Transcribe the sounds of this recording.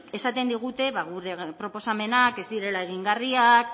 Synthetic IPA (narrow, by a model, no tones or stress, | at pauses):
e̞sat̪e̞nd̪iɣ̞ut̪e̞βaɣ̞uɾe̞pɾo̞po̞same̞nake̞zd̪iɾe̞lae̞ɣ̞iŋɡariak